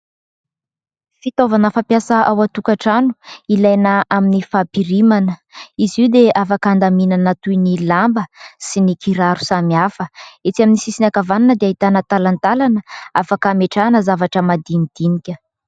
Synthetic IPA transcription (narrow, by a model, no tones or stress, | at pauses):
fit̪ovanəfampjasəʔawat̪ukaʈ͡ʂanu̥ilajnəʔaminifapiɾimanəiziwd̪eafakand̪aminanat̪ujnilambəsinikʰiɾaɾu̥samiafəet͡s̪iaminisisinakavananəd̪eaɦit̪anət̪alant̪alanəafakameʈ͡ʂanəzavaʈ͡ʂəmad̪imid̪̥inikʲə